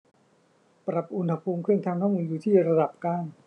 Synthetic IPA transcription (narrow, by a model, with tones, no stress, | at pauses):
pɾa˨˩p̚ʔu˧nha˧pʰuː˧mkʰɯ˥˩əŋt̪ʰaː˧ŋkʰaː˥˩ŋmuː˧juː˨˩t̪ʰiː˥˩ɾa˧da˨˩p̚kaː˥˩ŋ